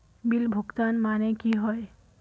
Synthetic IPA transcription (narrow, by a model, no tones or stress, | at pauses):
bilbʱuɡt̪anmanekiɦɔj